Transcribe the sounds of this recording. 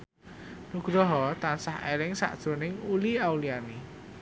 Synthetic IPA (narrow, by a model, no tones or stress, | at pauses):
nuɡ̥ɾɔɦɔt̪ansahelɪŋsa̰ʔd̥ʒ̥o̤nɪŋuliawliani